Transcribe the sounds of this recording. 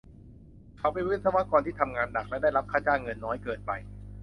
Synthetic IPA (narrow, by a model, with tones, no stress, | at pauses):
kʰa˨˧˩wpa˧˩jwɯ˥˩˨nsʰa˧wa˦˧˥kɔː˧nt̪ʰiː˥˩t̪ʰa˧mŋaː˧nda˨˩k̚lɛ˦˥da˥˩jɾa˦˥p̚kʰaː˥˩t͡ɕaː˧˩ŋŋɤ˧nːɔː˦˥jkɤː˨˩t̪̚pa˧j